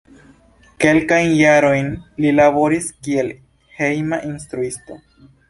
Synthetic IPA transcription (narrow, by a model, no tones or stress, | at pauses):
ke̞lkajnjaɾo̞jnlilabo̞ɾiskie̞l | he̞jmaʔinstɾuisto̞